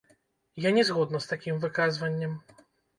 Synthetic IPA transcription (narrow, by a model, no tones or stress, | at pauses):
janʲɛzɣɔd̪nɐst̪akʲimvɨkazvɐnʲːɛm